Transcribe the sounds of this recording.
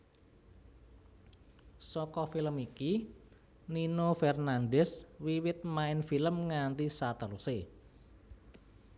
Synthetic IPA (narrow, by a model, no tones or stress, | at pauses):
sɔkɔfiləmiki | ninofɛrnanɖɛswiwɪt̪̚maɪnfiləmŋant̪isat̪aɾuse